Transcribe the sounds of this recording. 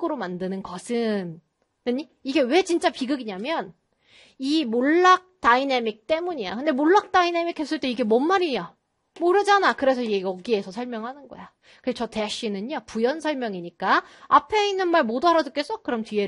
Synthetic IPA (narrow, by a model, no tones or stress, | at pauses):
ɡɯɾomandɯnɯnɡʌsʰɯn | nɯɲi | iɡe̞we̞t͡ɕint͡ɕ͈apiɡɯɡiɲamjʌn | imoɭːak̚t͈ainemik̚t͈e̞muɲija̰kɯnde̞moɭːak̚t͈aine̞mikʰes͈ɯɭt͈e̞iɡe̞mʌnmaɾija | moɾɯd͡ʑanakɯɾe̞s̬ʰʌieʌɡie̞sʰʌsʰʌɭmjʌŋɦanɯnɡʌ̰ja | kɯt͡ɕʰʌte̞aɕ͈inɯɲopujʌnsʰʌɭmjʌŋiɲik͈aapʰe̞inːɯnmaɭmodoɦaɾaduk͈e̞s͈ʌkɯɾʌmtɥie